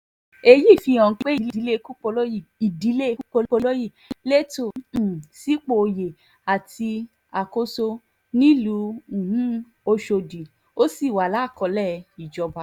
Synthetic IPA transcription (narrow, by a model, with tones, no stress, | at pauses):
e˧ji˦˨fi˧ɔ̃˨˧e˦i˦˨i˨˦le˦ku˦k͡po˧lo˦ji˦˨i˨di˨˦le˦˧ku˦k͡po˧˦o˧lo˦ji˦˨le˦tõ˦˨si˦k͡po˧˨o˧je˨ | a˨ti˧ | a˨ko˧so˧ | nĩ˦lũ˨˧˦hũ˦ | o˧ʃo˧dĩ˨ | o˦si˦˨wa˨la˦˨kɔ˧˦lɛ˦˨i˨d͡ʒɔ˧ba˨˧